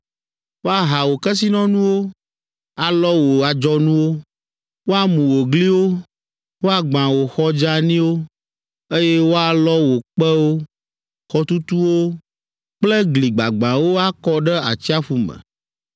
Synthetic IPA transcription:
wo˦a˨ɦa˨wo˨kɛ˦s̬i˦nɔ̃˦nũ˦wo˦ | a˨lɔ˦wo˨a˨d͡ʒɔ˦nũ˦wo˦ | wo˦a˦mũ˨wo˨ɡli˦wo˦ | wo˦a˦ɡ͡bã˨wo˨xɔ˦d͡ʒa˦nĩ˦wo˦ | e˦jɛ˦wo˦a˨lɔ˦wo˨k͡pɛ˦wo˦ | xɔ˦t̪u˦t̪u˦wo˦ | k͡plɛ˦ɡli˨ɡ͡ba̰˨ɡ͡bã˨wo˦a˦kɔ˦ɖɛ˦a̰˨t͡ɕi˦a˦fu˦mɛ̰̃˨

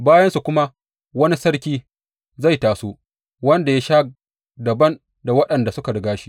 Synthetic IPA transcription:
baː˦jɐ˦nsu˨kʷʊ˦ma˦ | wɐ˦ni˦sɐ˦ɽkʲiː˦ | za˦˨jtaː˨soː˦ | wɐ˦nda˨ja˦ʃaː˦ | dɐ˨bɐ˦n | da˨wɐ˦ɗɐ˨nda˨sʊ˦ka˨ɽɪ˨ɡaː˦ʃi̥˦

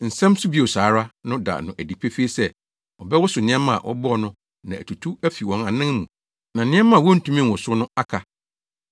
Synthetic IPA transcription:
n̩˨sɛ̃˦msʊ˦bi˦o˨saː˨˦ɾa˦nʊ̃˦da̰˨nʊ̃˨ʔæ˨di˨pʰe˦fe˦sɛ˦ | ɔ˨bɛ˦wɔ˦sʊ˨nɪ̃˦ɛ̃˦mã˦˨a˨ʔɔ̰˦bɔ˦˨nʊ̃˦ | nã˨æ̰˨tʰu˨tʰu˦æ˦fi˨wɔ̃˨na˨nɪ̃˦ŋmṵ̃˨ | nã˨nɪ̃˦ɛ˦mã˦˨wɔ˦n̩˦tʰũ˦mĩ˦nwɔ˨sʊ˦nʊ̃˦a˦kʰa˨

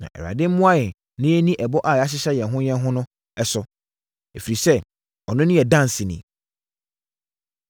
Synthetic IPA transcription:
nã̰˨ʔɛ̰˨ɾa̰˨dɪ˦m̩˦mʊ̃˦a˦jɛ˨ | nɪ̃˦e˦nĩ˦ʔɛ˨bɔ˦ʔa˨ja˦ɕ̬ɪ˦ɕɛ˦jɛ̃˨nɦʊ̃˦jɛ̃˦n˦ɦʊ̃˦nʊ̃˦ | ɛ˦sʊ˨ | e˨fi˨ɾi˨sɛ˦˨ | ɔ˨nʊ̃˦nɪ̃˦jɛ˨dã˦n˨sɪ˨nɪ̰̃˨˦

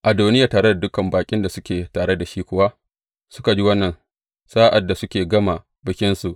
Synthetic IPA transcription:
ʔa˨doː˨nɪ˦ja˨taː˨ɽe˦da˨dʊ˦kɐ˨mbaː˨kʲʼɪ˦nda˨sʊ˦kʲeː˨taː˨ɽe˦da˨ʃiː˦kʷʊ˦˨wa˦ʔ | sʊ˦ka˨d͡ʒi˦wɐ˦nːɐ˨n | saː˦ʔa˨dːa˨sʊ˦kʲeː˨ɡɐ˦ma˨ | bɪ˨kʲɪ˦nsu˨ʔ

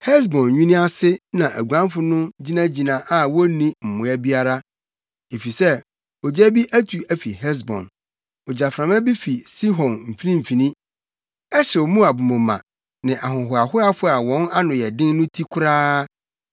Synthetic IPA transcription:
hɛ˦s̬bɔ̃˨nɲũ˦nĩ˦a˦sɪ˦nã˨ʔæ˨ɡʷã˦m˦fʊ˦nʊ̃˦d͡ʑi˦nã˦d͡ʑi˨nã˨ʔa˨wɔ˦nĩ˦m̩˨mʊ̃˨˦æ˦bi˦a˦ɾa˦ | e˨fi˨sɛ˦ | ɔ˨d͡ʑæ˦bi˦ʔæ˦tʰu˨ʔæ˨fi˨hɛ˦s̬bɔ̰̃˨n | ɔ˨d͡ʑa˨fɾã˨mɛ̃˦bi˦fi˨si˦ɦɔ̃˨nm̩˨fi˦nĩ˦m̩˨fi˨nĩ˦ | ɛ˦ɕɛ˨ɔ˨mũ˦a˨bʊ˨mɔ̃˨mã̰˨ | nɪ̃˨ʔa˨ɦʊ̃˨ɦʊ˨a˨hʊ˦a˦fʊ˦a˨wɔ̃˦na˦nʊ̃˨jɛ˨dɪ̃˦nnʊ̃˦tʰi˦kʰʊ˦ɾaː˦

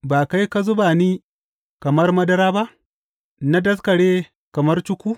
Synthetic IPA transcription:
baː˨ka˦jka˦zʊ˦baː˨niː˦ | kɐ˨mɐ˦rmɐ˦dɐ˦ɾaː˦ba˦ʔ | na˦dɐ˦skɐ˨ɽeː˦ | kɐ˨mɐ˦rt͡ʃʊ˦kʷuː˦

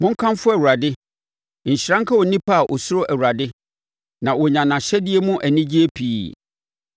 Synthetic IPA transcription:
mʊ̃˦ŋ̩˦kʰã˦mfʊ˦æ˨u˨a˨dɪ˦ | ɲ̩˨ɕɪ˨ɾã˦ŋ˦kʰa˦wɔ˨nĩ˦pʰa˦a˨ʔɔ˨sʊ˦ɾʊ˦ʔæ˨wu˨ɾa˨dɪ˦ | nã˨wɔ˨ɲã˨nã˨ɕɛ˦dɪ˦ɛ˦mʊ̃˦ʔæ˨nĩ˦d͡ʑi˦e˦pʰiː˦˨

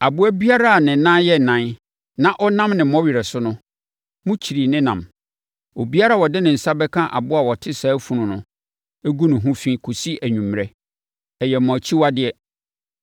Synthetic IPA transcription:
a˨bʊ˦æ˦bi˦a˦ɾa˦˨nɪ̃˨˦nã˦jɛ˦˨nã˨n | nã˦ʔɔ˦nã˦mnɪ̃˨m˦ɔ̃˦ɥi˨ɾɛ˨sʊ˦nʊ̃˦ | mʊ̃˦t͡ɕʰi˨ɾi˨nɪ̃˦nã̰˨m | o˨bi˦a˦ɾa˦˨wɔ˨dɪ˦nɪ̃˨n̩˨sa˦bɛ˦kʰã˦ʔa̰˨bʊ˦a˨wɔ˨tʰɪ˦saː˨˦fũ˨ɾʊ̃˨nʊ̰̃˨ | ɛ˦ɡu˦nʊ̃˨ɦʊ̃˦fĩ˦kʰo˨si˦ʔæ˨ɲᶣũ˨m˨ɾɛ˦ | ɛ˨jɛ˨m˨ɔ̃˨t͡ɕʰi˦wa˦dɪ˨ɛ˦

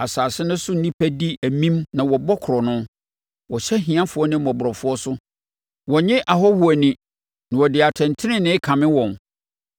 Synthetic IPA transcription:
a˨saː˨sɪ˦nʊ̃˦sʊ˦n̩˦nĩ˦pʰæ˦di˦æ˨mĩ˦mnã˨wɔ˨bɔ˦kʰɾɔ˨nʊ̃˦ | wɔ˨ɕɛ˦ɦĩ˨ã˦fʊ˨˦ɔ˦nɪ̃˦mɔ̃˨bʊ˨ɾɔ˨fʊ˦ɔ˦sʊ˦ | wɔ˨ɲɪ̃˦ʔa˨ɦɔ˦hu˨æ˨nĩ˨ | nɪ̃˨wɔ˨dɪ˨a˨tʰɛ̃˨ntʰɪ˦nɪ̃˦nɪ̃˦kʰã˨mɪ̃˦wɔ̃˨n

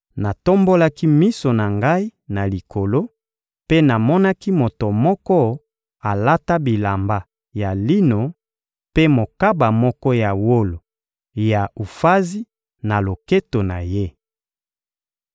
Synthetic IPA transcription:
na˨to˦mbo˦la˦ki˦mi˦so˨na˨ŋɡa˦i˦na˨li˨kʰo˨lo˦ | pe˦na˨mɔ˦na˦ki˦mo˨to˨mɔ˦kɔ˦ | a˨la˦ta˦bi˨la˨mba˨ | ja˨li˦no˨ | pe˦mo˨ka˦ba˨mɔ˦kɔ˦ja˨wo˦lo˨ | ja˨u˨fa˦zi˦ | na˨lo˨ke˦to˨na˨je˦

